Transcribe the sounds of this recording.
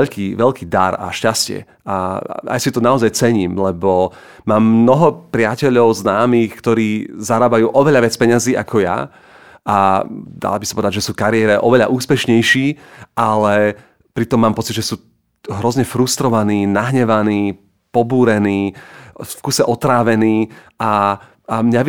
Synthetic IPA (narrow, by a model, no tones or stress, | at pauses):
ɛʎkiːʋɛʎkʰiːd̪a̰ɾa̰ʃcascɪɛ̰ | a̰a̰jsit̪ɔnaɔzajt͡sɛɲiːmlɛbɔ | maːmːnɔɦɔpɾɪacɛʎɔʊznaːmiːxkt̪ɔɾiːzaɾaːbajuːʔɔʋɛʎaʋɪat͡spɛɲaziːʔa̰kʰɔja̰ | ad̪a̰labisɔ̥pɔʋɛd̪aɟʒɛsuːkaɾɪɛɾɛʔɔʋɛʎa̰ʔuːspɛʃɲɛjʃiːʔalɛ | pɾit̪ɔmːaːmpɔt͡sid̪ʒɛsuː | ɦɾɔzɲɛfɾust̪ɾɔʋaniːnaɦɲɛʋaniː | pɔbuːɾɛniː | fkusɛʔɔt̪ɾaːʋɛniː | a | amɲaʋ